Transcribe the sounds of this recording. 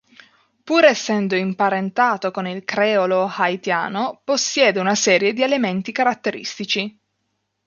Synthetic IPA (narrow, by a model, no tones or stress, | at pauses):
puːɾɛsːɛnd̪oimpaɾent̪aːt̪okonilkɾɛːolohajt̪ja̰ːnoposːjɛːd̪eunasɛːɾjed̪ielement̪ikaɾat̪ːeɾḭst̪it͡ʃi